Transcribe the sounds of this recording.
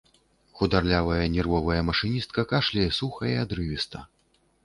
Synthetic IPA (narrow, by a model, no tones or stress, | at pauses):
xud̪arlʲavɐjɐnʲɛrvɔvɐjɐmɐʂɨnʲist̪̚kɐkaʂlʲɐjɛsuxɐjad̪ɾɨvʲist̪ɐ